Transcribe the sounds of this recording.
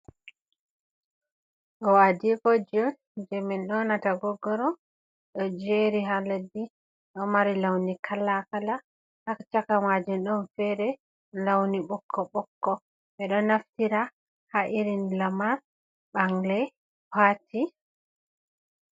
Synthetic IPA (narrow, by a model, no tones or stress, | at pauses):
ɗɔwadikod͡ʒɔn | d͡ʒɛmɛnɗɔnataɡɔɡːɔɾɔ | ɗɔd͡ʒeɾiɦaledːi | ɗɔmaɾilawnikʰalakala | ʔakt͡ʃakamad͡ʒinɗɔnfɛɾɛ | lawniɓɔkʰːɔɓɔkːɔ | ɓɛɗɔnaftiɾa | haʔiɾinlamaɾ | ɓaŋlɛ | wati